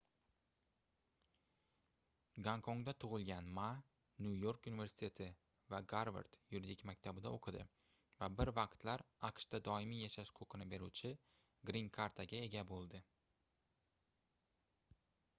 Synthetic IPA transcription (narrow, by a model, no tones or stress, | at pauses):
ɡaŋkʰoŋd̪at̪ʰʊʁɨlˠɡʲanma | njujoɾkunive̞ɾsɪ̥t̪ʰe̞t̪ʰɪ | vaɡaɾva̰ɾt̪juɾid̪ɪkʲmakʲt̪ʰabɪd̪aoqʰɨd̪ɪ̰ | vabɪɾvɑqt̪laɾɑqʃt̪ad̪ɒɪmijaʃaʃkʰoqʰɨnɪbe̞ɾuwt͡ʃʰɪ | ɡɾiŋkʰaɾt̪ʰaɡʲae̞ɡʲabolˠd̪ɪ